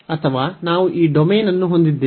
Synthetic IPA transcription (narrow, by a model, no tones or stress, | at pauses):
ɐt̪ʰɐʋaːnaːʋuʔiːɖomeːnɐnːuɦond̪id̪ːeː